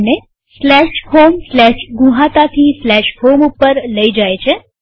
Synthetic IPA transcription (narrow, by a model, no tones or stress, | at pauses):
ne | slɛʃhomslɛʃɡũɦãt̪at̪ʰislɛʃhomupːəɾləid͡ʒajt͡ʃʰe